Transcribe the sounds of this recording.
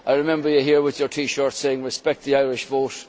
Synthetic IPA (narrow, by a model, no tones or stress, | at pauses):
aɪɹɪmɛ̃mbə˞jəɦiɹwɪðjə˞tʰiːʃɔɹtseɪɪ̃ŋɹɪspɛk̚t̪̚ðiaɪɹɪʃvoːt